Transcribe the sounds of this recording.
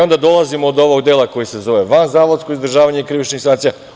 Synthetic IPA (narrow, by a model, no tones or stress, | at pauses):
o̞nd̪ad̪o̞lˠazimoːd̪o̞ʋoɡd̪eːlako̞jise̞zo̞ʋeʋanzaːʋod̪sko̞izd̪r̩ʒaːʋaɲeikɾiʋit͡ʃnixsant̪sija